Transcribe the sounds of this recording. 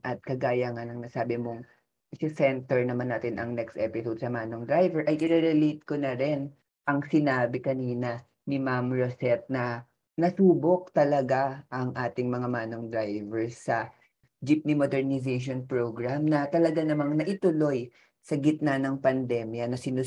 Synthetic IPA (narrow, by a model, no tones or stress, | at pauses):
ʔɐt̪̚kɐɡaːjɐŋanɐŋnɐsaːbɪmoŋ | sɐsɛnt̪ɛɹnɐmanːaːt̪ɪnʔɐŋnɛkst̪ʔɛpɪsod̪̚sɐmaːnoŋd̪ɾajvɛɹʔɐjʔɪɾɛɾɛlejt̪̚konɐɾɛn | ʔɐŋsɪnaːbɪkɐniːnɐ | nɪmamɹosɛt̪̚nɐ | nɐsuːbo̞k̚t̪ɐlɐɡaʔɐŋʔaːt̪ɪŋmɐŋamaːno̞ŋd̪ɾajvɛɹsːɐ | d͡ʒip̚nimod̪ɛɹnɪs̬ejʃ̬onpɹoɡɹamnɐt̪ɐlɐɡanɐmaŋnɐʔɪt̪ʊlo̞j | sɐɡɪt̪̚nanɐŋpɐnd̪ɛmjɐnɐsɪnu